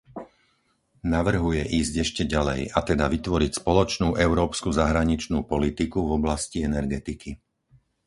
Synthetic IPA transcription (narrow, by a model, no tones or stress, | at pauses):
naʋr̩ɦujɛʔiːzɟɛʃcɛɟalɛ̰jat̪ɛd̪aʋit̪ʋɔɾicspɔlɔt͡ʃnuːʔɛʊɾɔːpskuzaɦɾaɲit͡ʃnuːpɔlit̪ikuvɔblasciɛnɛɾɡɛt̪ikʰi